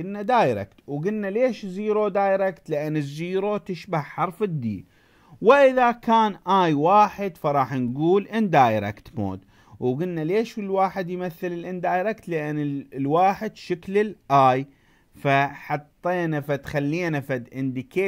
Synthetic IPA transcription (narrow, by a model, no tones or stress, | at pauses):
ɪlnad̪aːjɾḛkt̪wɡɪlnaleːʃziːɾod̪aːjɾekt̪lɪʔanːɪzːiːɾot̪ɪʃbahħɑɾˤfɪd̪ːḭː | wɪʔɪðakaːnʔaːjwaːħɪd̪fɑɾˤɑːħnɡuːlʔɪnd̪aːjɾḛkt̪mo̰ːd̪ | wɡɪlnaleːʃɪlwaːħɪd̪jmaθːɪlɪlʔɪnd̪aːjɾekt̪lɪʔɪnːɪlwaːħɪd̪ʃɪklɪlʔaːj | faħɑt̪ˤːeːnafat̪xalːiːnafad̪ʔɪnd̪ɪkeː